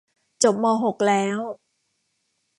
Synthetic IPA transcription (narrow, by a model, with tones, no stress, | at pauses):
t͡ɕo˨˩p̚mɔː˧ɦo˨˩k̚lɛː˦˥w